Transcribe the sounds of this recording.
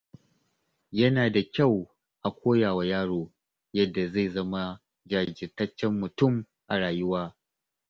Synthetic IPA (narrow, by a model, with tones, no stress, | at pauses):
jɐ˦naː˨da˨kʲa˦˨w | ʔa˨kʷʰoː˦jaː˨wa˨jaː˦ɽoː˨ | jɐ˦dːa˨za˦˨zɐ˦ma˦ | d͡ʒaː˨d͡ʒɪ˨tɐ˦t͡ʃːɛ˦mːʊ˨tʊ˦˨m | ʔa˨ɽaː˨jʊ˦waː˦